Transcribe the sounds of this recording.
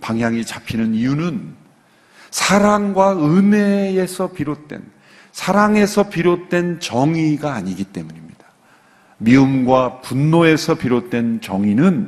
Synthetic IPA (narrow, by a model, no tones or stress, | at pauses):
paŋɦjaŋit͡ɕapʰinɯnijunɯn | sʰaɾaŋɡwaɯne̞ːsʰʌpiɾot̚t͈we̞̰n | sʰaɾaŋe̞sʰʌpiɾot̚t͈we̞nt͡ɕʌŋiɡaːɲiɡit͈e̞muɲimɲid̥ḁ | miɯmɡwapunːoe̞sʰʌpiɾot̚t͈we̞nt͡ɕʌŋinɯn